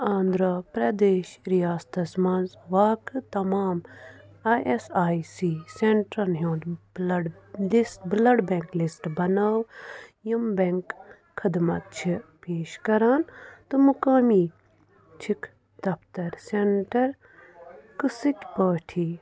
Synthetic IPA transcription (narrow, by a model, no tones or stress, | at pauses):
ãːnd̪ɾɐpɾɐd̪eːʃɾijaːst̪ɐsmɐnzʋaːkɨt̪ɐmaːm | aʔesaːjsiːseɳʈɾɐnɦjõːnd̪lɖlisʈblɐɖbeŋklisʈbɐnɐwjimbeŋkʰː | ɐd̪mɐt̪̚t͡ʃʰipeːʃkɐɾaːnt̪ɨmukɐːmiː | t͡ʃʰik | d̪ɐpʰt̪ɐɾseɳʈɐɾ | kɨsɨkʲpəːʈʰi